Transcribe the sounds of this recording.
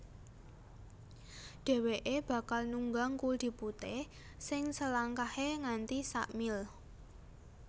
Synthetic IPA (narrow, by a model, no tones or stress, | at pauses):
ɖ̪̥e̤weʔeb̥ä̤kalnuŋɡaŋkuld̪̥i̤put̪e | sɪŋsəlaŋkaheŋant̪isa̰ʔmɪl